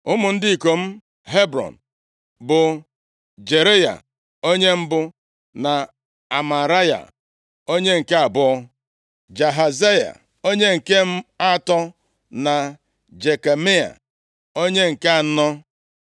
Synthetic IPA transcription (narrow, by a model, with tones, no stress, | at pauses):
ʊ˦mʊ˨n̩˦dɪ˦i˨ko˨m̩˦ | ɦe˦bɾɔ̰˨n̩˨ | bʊ˨ | d͡ʒe˨ɾe˦ja̰˨ | o˦ɲe˦m̩˦bʊ˦ | na˨ | a˨ma˨ɾa˦ja̰˨ | o˦ɲe˦ŋ̩˨ke˦a˨bʊ˦ɔ˦ | d͡ʒa˨ɦa˨ze˦ja̰˨ | o˦ɲe˦ŋ̩˨ke˦m̩˦a˦tɔ˦ | na˨ | d͡ʒe˨ke˨mi˦a̰˨ | o˦ɲe˦ŋ̩˨ke˦a˨˦nɔ˦